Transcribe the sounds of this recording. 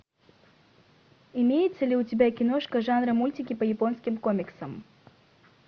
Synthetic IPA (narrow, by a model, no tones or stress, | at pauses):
ɪmʲejɪt̪səlʲɪʊtʲɪbʲakʲɪnoʂkəʐanɾəmulʲtʲɪkʲɪpəjɪpo̞nskʲɪmkomʲɪksəm